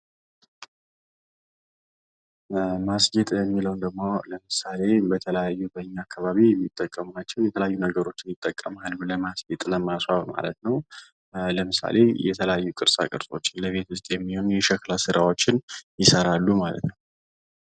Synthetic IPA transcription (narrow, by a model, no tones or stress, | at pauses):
masɡet̪ʼjɛmːiləwnd̪əɡmoləmɨsale̞bət̪ʰələjajːubəɨɲːaakːaβaβiɛmːit̪ʼːəkʼːəmunat͡ʃːɛwjɛt̪ʰələjajːunəɡəɾo̞t͡ʃːɪnjɪt̪ʼːəkʼːəmhaluləmasɡet̪ʼləmaswaβma̰lət̪nəw | ləmɨsa̰le̞̰jɛ̰t̪ʰələjajːukʼɨɾsʼa̰kʼɨ̰ɾsʼo̞̰t͡ʃːɪnləβe̞t̪wʊst̪ʼjɛmːiho̞nujɛʃəklasɨɾʔawo̞t͡ʃːɪnjɪsəɾalːumalə̰t̪nəw